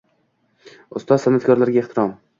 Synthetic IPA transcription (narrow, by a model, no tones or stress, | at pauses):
ʊst̪ɒzsanat̪kʰɒɾlaɾɡʲaeht̪ʰɪɾɒm